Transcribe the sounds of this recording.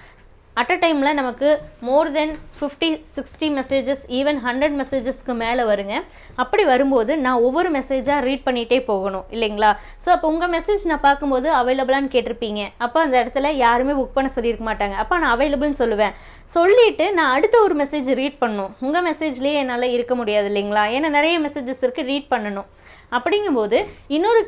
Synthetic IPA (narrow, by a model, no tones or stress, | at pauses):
ɐʈːɐʈɐɪmlɐnɐmɐkːɯmoːɾd̪ɛnfɪfʈisɪksʈimɛseːd͡ʒɛsiːʋɛnɦɐɳɖɾɐɽmɛseːd͡ʒɐskːɯmeːlɐʋɐɾɯŋɡɐ | ɐpːɐɽiʋɐɾɯmpoːðɯnãːɔʋːɔɾɯmɛseːd͡ʒaːɾiːʈ̚pɐɳːɪʈːeːpoːɣɐɳʊ̃ɪlːɛŋɡɐɭaː | soːɪpːoːʊŋɡɐmɛseːd͡ʒnãːpaːɾkɯmpoːðɯɐʋɐːlɐbɪlaːnɯkeːʈːɪɾɯpːiːŋɡɐɐpːoːɐnd̪ɐɪɽɐt̪ːɯlɐjaːɾɯmeːbʊk̚pɐɳːɐsɔlːiɪɾɯkːɐmaːʈːaːŋɡɐːpːoːnãːɐʋɐeɪlɐbɪlnɯsɔlːɯʋẽː | sɔlːɪʈːɯnãːɐɽɯt̪ːɐɔɾɯmɛseːd͡ʒɾiːʈ̚pɐɳɐnʊ̃ʊŋɡɐmɛseːd͡ʒlej̃ɛnːaːlɐɪɾɯkːɐmʊɽɪjaːðɯɪlːɛŋɡɐɭaːɛnːɐnɪɾɐjɐmɛseːd͡ʒɐsɪɾɯkːɯɾiːʈ̚pɐɳːɐnʊ̃ | ɐpːɐɽɪŋɡɯmpoːðɯɪnːɔɾɯ